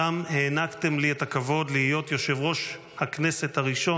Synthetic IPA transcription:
amhe̞ːnakt̪e̞mlietakavo̞dlihijo̞tjo̞ʃe̞vʁo̞ʃ | haknese̞t̪haʁiʃo̞

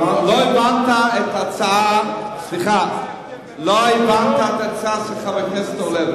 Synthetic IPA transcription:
loivant̪aɛtat͡saasliχa | loaivant̪aɛt̪at͡saasiχavɪχnɛset̪ɔlɛv

